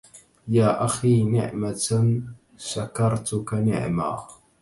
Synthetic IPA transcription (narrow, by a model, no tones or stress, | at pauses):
jaːʔaxiːnɪ̰ʕma | ʃakɑɾˤt̪ʊkanɪ̰ʕma̰ː